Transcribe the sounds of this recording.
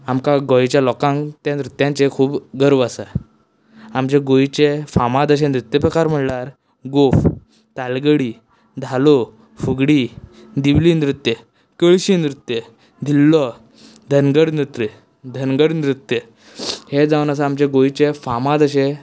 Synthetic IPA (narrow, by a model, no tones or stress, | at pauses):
amkaɡɔjt͡ɕjalɔkãŋt̪jãnɾut̪jãnt͡sekʰuːbɡəɾʋasa | amt͡ɕeɡoit͡ɕefamad̪əɕẽnɾut̪ːjəpɾəkaɾm̤əɽlaɾ | ɡof | t̪alɡəɽiː | d̪ʱalo | fuɡɽiː | d̪iʋlinɾut̪je | kəɭɕinɾut̪ːje | d̪ʱilːɔ | d̪ʱənɡəɽnɾut̪ɾə | d̪ʱənɡəɽnɾut̪ːje | hed͡zawnas̬aamt͡ɕẽɡoit͡ɕefamad̪əɕe